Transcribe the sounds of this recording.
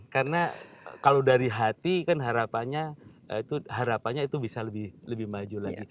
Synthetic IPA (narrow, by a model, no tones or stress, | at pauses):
kaɾəna̰kalodaɾiɦat̪ikanɦaɾapaɲaə̰it̪uɦaɾapaɲait̪ubisaləbɪhləbɪhmad͡ʒulaɡi